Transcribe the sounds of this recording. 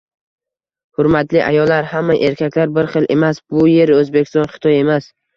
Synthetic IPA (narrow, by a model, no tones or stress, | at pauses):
hʊɾmat̪lɪʔa̰jɒlːaɾhamːaʔe̞ɾkʲʰakʲlaɾbɪɾχɨlʔe̞masbʊje̞ɾɵzbekʲʰɪst̪ɒnχɨ̥t̪ʰɒje̞mas